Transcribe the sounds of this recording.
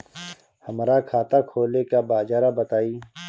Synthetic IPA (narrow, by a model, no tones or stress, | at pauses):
həmɾakʰaːt̪akʰoːlekabaːd͡ʒaːɾabət̪aːiː